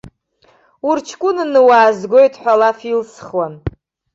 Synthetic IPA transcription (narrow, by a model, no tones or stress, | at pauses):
urt͡ʃʰkʷʼʊnɨnɨwaːzɡʷo̞jtʰħʷᶣalafilsχwan